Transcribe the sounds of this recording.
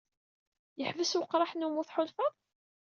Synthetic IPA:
jəħvəswəqːɾˤɑħnumuθħʊlfɑðˤ

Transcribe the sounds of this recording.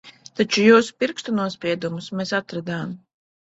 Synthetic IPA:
t̪at͡ʃujuːsu̥piɾkst̪unuɔspʲɾiɛd̪umusmeːsat̪ɾad̪aːm

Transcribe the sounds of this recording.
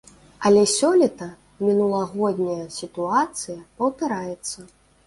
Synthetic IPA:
ɐlʲɛsʲɔlʲit̪ɐ | mʲinulˠɐɣɔd̪ʲnʲɐjɐsʲit̪uat̪sɨjɐpɐwpʲɛɾajɛt̪sːɐ

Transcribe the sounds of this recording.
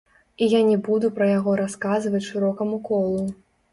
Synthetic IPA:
ijanʲɛbud̪upɾɐjaɣɔɾaskazɨvɐt͡sʲʂɨɾɔkɐmukɔlˠu

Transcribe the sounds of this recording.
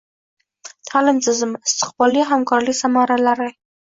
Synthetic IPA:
t̪ʰalɪmsɪzɪmɪst̪ɪ̥qbɑliɦamkɑɾlisamɑɾalaɾɪ

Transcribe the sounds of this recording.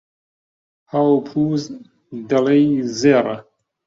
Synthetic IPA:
hawpʰuːz | d̪ɐlejzeːrˤɐ

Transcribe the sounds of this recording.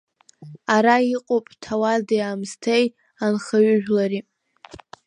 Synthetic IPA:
aɾaiqʼopʼtʰawadejamstʰej | anχaɥʏʒᶣlaɾi

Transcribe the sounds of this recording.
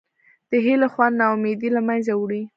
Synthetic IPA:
d̪̥əɦelaxwannɑwmed̪ilamanzawɽi

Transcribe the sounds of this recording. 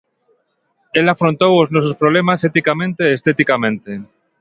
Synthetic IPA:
elafɾont̪owoznosospɾoβ̞lemaset̪ikamẽnt̪eːst̪et̪ikamẽnt̪e

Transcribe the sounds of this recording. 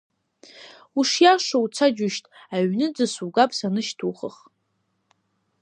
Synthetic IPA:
uʂjaʂowt͡sʰad͡ʒʊʃtʰʼaɥnɨd͡zɨsuɡapʼsanɨʃtʰuχəχ

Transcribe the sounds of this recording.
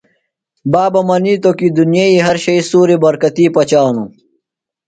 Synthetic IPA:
baːbɐmɐniːt̪okid̪unjeiːɦɐɾɕɐisuːɾibɐɾkɐt̪iːpɐt͡ɕaːnu

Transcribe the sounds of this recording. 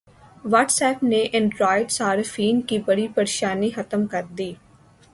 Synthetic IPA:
ʋaːʈsɛːpneːʔɪ̃ɳɖɾaːɪɖsaːɾfʰiːnkiːbəɽiːpəɾeːʃaːniːxət̪əmkəɾd̪iː

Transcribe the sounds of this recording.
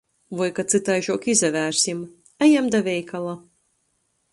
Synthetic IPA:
vɔjkat̪sɨt̪ajʒuːkizævæːɾsʲim | æjamd̪avʲɛjkalˠa

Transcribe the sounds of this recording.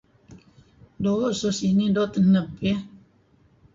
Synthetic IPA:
dososinidɔt̪ənəbe

